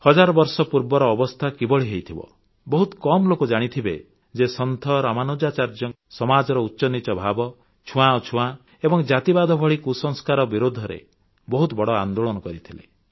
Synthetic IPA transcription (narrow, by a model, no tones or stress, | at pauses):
hɔd͡ʒaɾɔbɔɾsɔpuɾbɔɾɔːbɔst̪ʰakibɔɭiɦejt̪ʰibɔ̰ | bɔɦut̪kɔmlokud͡ʒaɽ̃it̪ʰibḛ | d͡ʒesɔnt̪ʰɔɾamanod͡ʒat͡ʃaɾd͡ʒɔ | sɔmad͡ʒɔɾɔutːʃɔnit͡ʃɔbʱabɔ | t͡ʃʰũãot͡ʃʰũã | ebɔŋd͡ʒat̪ibad̪ʱɔbʱɔɭikusɔŋskaɾɔbiɾod̪ʱːɔɾḛ | bɔɦut̪ɔbɔɽɔa̰nd̪oɭɔnɔkɔɾit̪ʰilḛ